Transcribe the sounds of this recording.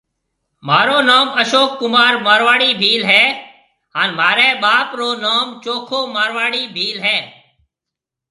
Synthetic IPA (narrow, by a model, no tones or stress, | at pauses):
maːɾoːnaːməʃoːkːʊmaːɾmaːɾʋaːɽiːbʱiːlɦɛː | ɦaːnmaːɾɛːɓaːpɾoːnaːmt͡ʃoːkʰoːmaːɾʋaːɽiːbʱiːlɦɛː